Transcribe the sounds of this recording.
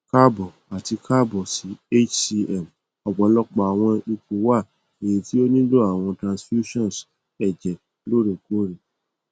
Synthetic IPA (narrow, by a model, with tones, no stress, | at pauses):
ka˦bɔ˨ | a˨ti˧kʰa˦bɔ˨si˨˦e˦t͡ʃi˧ɛ˦˨m | ɔ˨ɡ͡bɔ˨˦lɔ˦k͡pa˨a˨w̃ɔ̃˧i˧ko˨˦wa˦˨ | e˨je˨ti˦o˦nĩ˦do˦a˦˨w̃ɔ̃˧tɾã˨sfju˦ʃɔ̃˦˨s | ɛ˨d͡ʒɛ˨ | lo˦ɾo˨ko˦ɾe˨